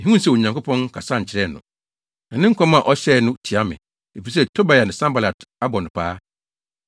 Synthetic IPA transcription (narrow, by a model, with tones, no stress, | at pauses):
ɦĩ˦ũ˦sɛ˦˨o˨ɲã˨ŋkʊ˦pʰɔ̃˦nkʰa˨sa˦˨ɲ̩˨t͡ɕʰɪ˨ɾɛ˦˨nʊ̰̃˨ | nã˨nɪ̃˦ŋ̩˦kʰɔ̃˦mã˦˨ʔɔ˦ɕɛː˦˨nʊ̃˦tʰi˨a˦mɪ̰̃˨ | e˨fi˨˦s̬ɛ˦tʰo˦ba˨ja˨nɪ̃˨sã˦mba˨la˨ta˦bɔ˨nʊ̃˨pʰaː˦